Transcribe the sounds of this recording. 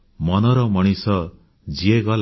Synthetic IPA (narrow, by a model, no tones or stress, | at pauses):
mʌnʌɾʌmʌɽ̃isʌ | d͡zieɡʌl